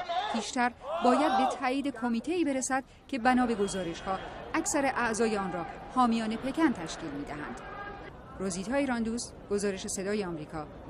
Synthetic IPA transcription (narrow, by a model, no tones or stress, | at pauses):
pʰiːʃt̪æɾbɒːjæd̪̚be̞t̪ʰæʔiːd̪e̞kʰo̞miːt̪ʰe̞iːbe̞ɾesæd̪̥̚ | cʰe̞bænɒːbe̞ɡo̞zɒːɾe̞ʃhɒːʔæcʰsæɾe̞ʔæʔzɒːjeɒːnrɒːhɒːmijɒːne̞pʰe̞cʰænt̪ʰæʃciːlmiːd̪æɦæ̰nd̪̥ | ɾoziːt̪ʰɒːiɾɒnd̪uːst̪ɡ̥o̞zɒːɾe̞ʃe̞se̞d̪ɒːjeɒmɾiːkʰɒː